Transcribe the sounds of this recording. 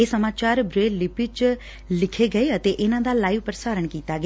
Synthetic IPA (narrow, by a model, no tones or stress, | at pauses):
eːsəmaːt͡ʃaːɾbɾeːlɪpɪt͡ʃ | lɪkʰeɡəeət̪eʔɪnãːd̪aːlaːiʋpəɾsaːɾəɳ̃kiːt̪aɡɪ